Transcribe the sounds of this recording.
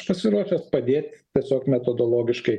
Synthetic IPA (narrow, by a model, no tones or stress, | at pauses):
pɐsʲɪɾuɔʃʲɛspɐd̪ʲeːt̪ʲt̪ʲiɛsʲoːkmʲɛt̪od̪oːlˠoːɡʲɪʃkɐɪ